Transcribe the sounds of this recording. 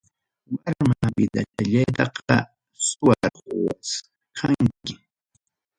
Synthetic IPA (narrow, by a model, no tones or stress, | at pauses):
waɾmabɪd̪ataʎajt̪ɑqɑ | sʊwaɾowas | kʰaŋkɪ